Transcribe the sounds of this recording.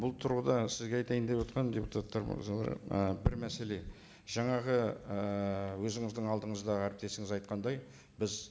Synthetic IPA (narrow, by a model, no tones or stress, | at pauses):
bʊlˠt̪ʰʊɾʁəd̪ɑsɪzɡʲeɑjt̪ɑjənd̪epwot̪qɑnd̪ʲe̞put̪ʰat̪ːɑɾ̰ɑlˠɑ̰ɾ̰əbɪɾmæse̞le̞ | ʒɑɴɑʁəəwɵzɪŋɪzd̪ɪŋɑlˠd̪əɴəzd̪ɑʁəæɾɪp̚t̪e̞sɪŋɪzɑjt̪̚qɑnd̪ɑj | bɪz